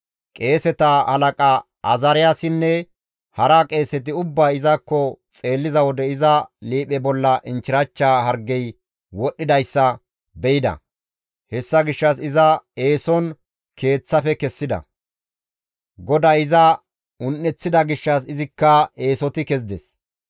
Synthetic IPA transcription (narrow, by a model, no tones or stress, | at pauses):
kʼe̞ːsɛt̪ɐhɐlɐkʼɐ | ɐzɐɾɪjasɪnːɛ | hɐɾakʼe̞ːsɛt̪̬ɪʊbːaːɪzɐkːɔt͡sʼe̞ːlːɪzɐwɔd̪ɛɪzɐliːpɛbɔlːɐʔɪnt͡ʃɪɾɐt͡ʃːaːɦɐɾɡːɛj | wɔɗːɪd̪ɐjsːɐ | bɛjɪd̪ɐ̰ | hɛsːɐɡɪʃːɐsɪzɐe̞ːsɔn | kʰe̞ːt͡sːɐfɛkɛsːɪd̪ɐ̰ | ɡɔd̪ɐjɪzɐ | ʊnːɛt͡sːɪd̪ɐɡɪʃːɐs̬ɪzɪkːɐe̞ːsɔt̪ɪkɛz̬d̪ɛs